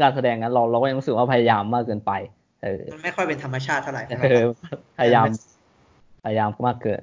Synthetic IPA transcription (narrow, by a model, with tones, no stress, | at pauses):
kaː˧nsa˧dɛː˧ŋːa˦˥nɾa˧wɾaː˧wkɔː˥˩jŋlu˦˥sɯ˨˩k̚waː˥˩pʰa˧ja˧jaː˧mːaː˥˩kːɤː˧npa˧j | ʔɤː˧˩˧nma˥˩jxʰɔ˥˩jpe˧nt̪ʰa˧ma˧t͡ɕʰaː˥˩t̪ʰːa˥˩˨ɾa˨˩jɤː˧˩pʰa˧ja˧jaː˧m | pʰa˧ja˧jaː˧mmaː˥˩kːɤː˧n